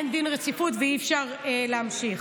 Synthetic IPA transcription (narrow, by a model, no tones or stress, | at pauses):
nd̪inʁet͡sifutveifʃaʁeleamʃiχ